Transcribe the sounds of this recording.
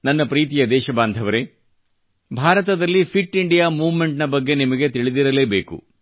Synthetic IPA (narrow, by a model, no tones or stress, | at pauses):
nɐnːɐpɾiːt̪̬ijɐd̪ɛːʃɐbaːnd̪ʱɐʋɐɾe̞ | bʱaːɾɐt̪ɐd̪ɐlːipʰiʈːiɳɖijaːmuːʋme̞ɳʈnɐbɐɡːe̞nimɐɡe̞t̪iɭid̪iɾɐle̞ːbeːkṵ